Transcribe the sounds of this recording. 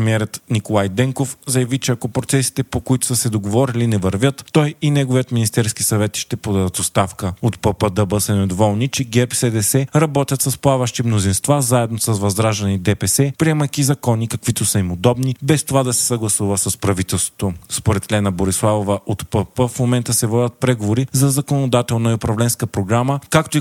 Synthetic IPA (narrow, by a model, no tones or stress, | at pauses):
miɛɾət̪nikolˠajd̪ɛŋkofzɐjɐvit͡ʃɛɐkɔpɾot̪sɛsi̥t̪ɛpokoit̪ʊ̥səsɛd̪oɡovɔɾilinɛvɐɾvʲjət̪ːɔjinɛɡovijət̪minist̪ɛɾskisɐvɛt̪ʃt̪ɛpod̪ad̪ət̪ost̪afkəot̪pəpəd̪əbəsɛnɛd̪ovɔlˠnit͡ʃɛɡɛpsɛd̪ɛsɛɾɐbɔt̪ʲjɐt̪sɐsplˠavɐʃt̪imnozinst̪vazaɛd̪nosɐsvɐzd̪ɾaʒd̪ɐnid̪ɛpɛsɛpɾiɛmɐjkʲizɐkɔnikɐkv̥it̪osəimod̪ɔbnibɛst̪ovad̪ɐsɛ̥sɐɡlˠɐsuvəsəspɾɐvit̪ɛlˠst̪vo̥t̪ospoɾɛt̪lɛnɐboɾislˠavovəʔot̪pəpəfmomɛnt̪əsɛvɔd̪ʲɐət̪̚pɾɛɡovoɾizɐzɐkonod̪at̪ɛlˠnəiʊpɾɐvlɛnskəpɾoɡɾaməkakt̪oi